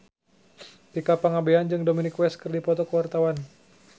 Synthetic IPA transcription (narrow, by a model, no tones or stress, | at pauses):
t̪ikapaŋabeand͡ʒɨŋdominikwɛskɨrdipɔt̪ɔkəwart̪awan